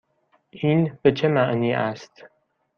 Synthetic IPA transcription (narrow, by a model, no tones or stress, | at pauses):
ʔiːnb̥et͡ʃʰemæʔniːʔæst̪